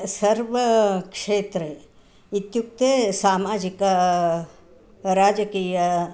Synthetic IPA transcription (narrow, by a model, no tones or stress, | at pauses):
sɐɾʋəkʂeːt̪ɾe | it̪juk̚t̪esaːmaːd͡ʒika | ɾaːd͡ʒəkiːjə